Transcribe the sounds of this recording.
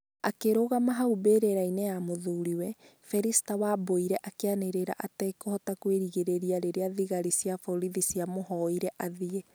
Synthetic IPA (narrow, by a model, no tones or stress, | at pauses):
akeɾoɣamaɦaubeːɾeɾainɛjamoðuːɾiwɛ | fɛɾisi̥tawaboiɾɛʔakeaneɾeɾa̰ʔatɛkohɔtakweɾiɣeɾeɾiaɾeɾeaðiɣaɾisiafɔɾiðisiamoɦɔiɾɛʔaðie